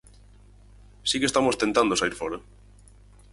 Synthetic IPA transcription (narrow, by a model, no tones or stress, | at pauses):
sikest̪amost̪ent̪and̪osaiɾfɔɾa